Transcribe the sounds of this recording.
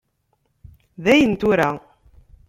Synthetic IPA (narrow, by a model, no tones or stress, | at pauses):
ðæjənt̪uɾæ